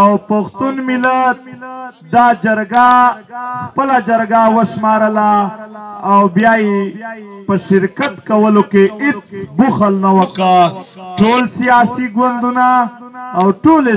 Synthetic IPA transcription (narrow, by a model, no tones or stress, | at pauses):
awpaxt̪unmɪlat̪ | d̪ɑd͡ʒaɾɡa | xpəlad͡ʒaɾɡawəʃmɑɾəlaː | wbjaje | pəʃɪɾkat̪kawəlokeɪt͡sbuxəlnawəkaʈolsijɑsiɡwand̪unaː | wʈole